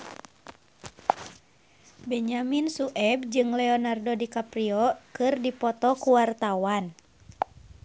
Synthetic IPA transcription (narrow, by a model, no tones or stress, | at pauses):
bɛɲaminsuʔɛb̚d͡ʒɨŋlɛɔnardodikapɾiɔkɨrdipɔt̪ɔkuwart̪awan